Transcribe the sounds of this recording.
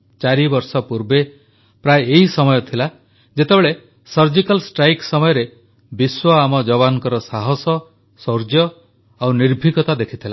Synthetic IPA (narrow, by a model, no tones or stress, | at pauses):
t͡ʃaɾibɔɾsɔpuɾbe | pɾajːɦisɔmɔjɔt̪ʰila | d͡ʒet̪ebeɭe | sɔɾd͡ʒikalsʈɾajksɔmɔjɔɾe | biswɔamɔd͡ʒɔβanɔkɔɾɔsaɦɔsɔ | soɾd͡ʒjɔ | awniɾbʱikɔt̪ad̪ekʰit̪ʰila